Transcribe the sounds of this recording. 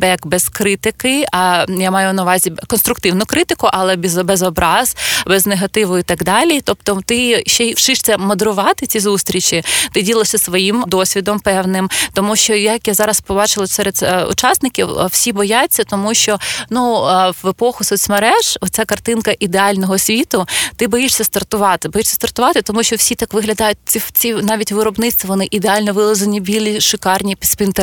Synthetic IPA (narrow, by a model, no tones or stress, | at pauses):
bɛkbɛskɾɪt̪ɪkɪɐjamɑjʊnɐʋɑzʲikɔnst̪ɾʊk̚t̪ɪwnʊkɾɪt̪ɪkʊʔɐlˠɛbʲzbɛzɔbɾɑz̥bɛzneɦɐt̪ɪʋʊit̪ɑɡd̪ɑlʲit̪ɔpt̪ɔt̪ɪʃt͡ʃɛʃɪʃt̪sʲɛmɔd̪eɾʊʋɑt̪ɪt͡sʲizust̪ɾʲit͡ʃit̪ɪdʲilˠɐsʲɐsʋɔjimd̪ɔsʲʋʲid̪ɔmpɛwnɪmt̪ɔmuʃt͡ʃɔjɐkjazɑɾɐspɔbɑt͡ʃɪlˠɐsɛɾed̪ʊ̰t͡ʃɑsnɪkʲiwwsʲibɔjat͡sʲːɐt̪ɔmuʃt͡ʃɔnuʋepɔxʊsʊsʲmɐɾɛʒ̥ɔt͡sʲakɐrt̪ɪnkɐʔid̪eɑlʲnɔɦɔsʲʋʲit̪ʊt̪ɪbɔjiʂsʲɐst̪ɐrt̪ʊʋɑt̪ɪbɔjiʂsʲɐ̥st̪ɐrt̪ʊʋɑt̪ɪt̪ɔmuʃt͡ʃɔwsʲit̪ɑkʋɪɦlʲɐd̪ɑjʊt̚ʲt͡sʲit͡sʲinɑʋʲitʲʋɪɾɔbnɪt͡sst̪ʋiʋɔnɪʔid̪eɑlʲnɔʋɪlˠɐzɐnʲibʲilʲiʃɪkɑrnʲipspʲint̪e